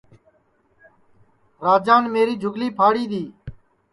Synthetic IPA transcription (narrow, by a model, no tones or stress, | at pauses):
ɾaːd͡ʒaːnmeːɾiːd͡ʒʱʊɡliːpʰaːɽiːɗ̪iː